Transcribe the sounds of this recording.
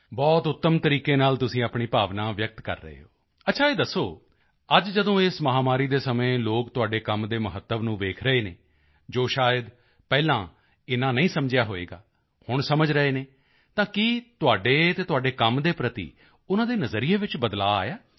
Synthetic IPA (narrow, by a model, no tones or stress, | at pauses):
bɔːt̪ʊt̪ːəmt̪əɾiːkeːnaːlt̪ʊsĩːaːpɳiːpaːʋnãːʋjək̚t̪kə̰ɾːə̰ɦḛːɦoː | ətːʃʰaːeːd̪əsːoː | əd͡ʒd͡ʒəd̪õːɪsməɦaːmaːɾiːd̪eːsəmẽːloːkt̪ʊaːɖeːkəmd̪eːməɦət̪ːəʋnũːʋeːkʰɾəeːnḛː | d͡ʒoːʃaːjəd̪ | pɛːlãː | ɪnãːnəĩːsəmd͡ʒɪjaːɦoːḛːɡa̰ː | hʊɳsəməd͡ʒɾəeːneː | t̪ãːkɪt̪ʊaːɖeːt̪eːt̪ʊaːɖeːkəmd̪eːpɾət̪ḭː | ʊnãːd̪eːnəzəɾiːeːʋɪt͡ʃbəd̪la̰ːa̰ːjaː